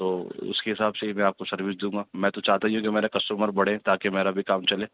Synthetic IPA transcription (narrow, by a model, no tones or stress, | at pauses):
t̪oːʊ̰skeɦɪsaːbseimɛ̃aːp̚kosɐɾʋɪsd̪ũːŋɡaːmɛ̃ːt̪ot͡ʃaːɦt̪aɦiɦũkimeːɾekɐsʈəməɾbɐɽ̤ẽt̪aːkemeːɾabʱikaːmt͡ʃɐleː